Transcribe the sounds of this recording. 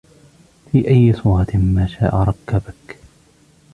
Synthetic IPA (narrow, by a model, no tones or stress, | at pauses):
fiːʔajːɪsˤuːɾˤɑt̪maːʃaːʔaɾˤɑkːabak